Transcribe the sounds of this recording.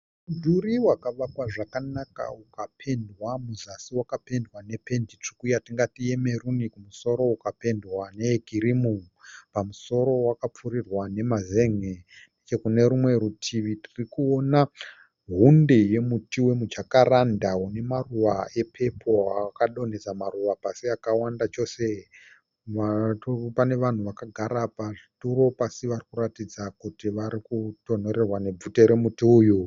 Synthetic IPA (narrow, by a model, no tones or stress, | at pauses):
dʱuɾiwakaʋakwaʐakanaka̰ukapʰe̞ndwamuzasiwakape̞ndwane̞pe̞ndit͡ʂi̥kujatiŋɡatie̞me̞runikumuso̞ɾo̞ukape̞ndwanekiɾimu | pamuso̞ɾo̞wakap͡fuɾirwane̞maze̞ŋe | nddet͡ʃe̞kune̞ɾumwe̞ɾutʰiʋitirikuona | ɦundeje̞mutiwemud͡ʒakaɾandaune̞maruʋae̞pʰe̞pʰo̞akaɗo̞ned͡zamaruʋapasiakawandat͡ʃo̞se | ʋapane̞ʋan̤uʋakaɡʱaɾapaʐituɾo̞pasiʋarikuratid͡zakutiʋaɾikuto̞n̤o̞ɾerwane̞b͡vuteɾe̞mutiuju